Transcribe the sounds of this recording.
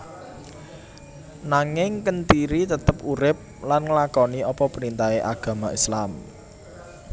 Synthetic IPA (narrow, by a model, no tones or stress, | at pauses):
naŋɪŋkənt̪iɾit̪ət̪əpuɾɪp̚lanŋəlakɔniɔpɔpəɾint̪aeʔaɡ̥ä̤maislam